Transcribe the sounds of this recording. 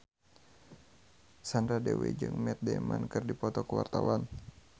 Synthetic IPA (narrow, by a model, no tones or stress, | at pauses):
sandɾadewed͡ʒɨŋmɛt̪̚dɛmankɨrdipɔt̪ɔkəwa̰rt̪awan